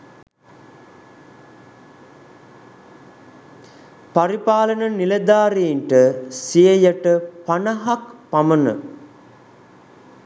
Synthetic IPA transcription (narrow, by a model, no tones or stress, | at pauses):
paɾipaːlənəniled̪aːɾeiɳʈəsijəjəʈəpanɐɦakpamənə̰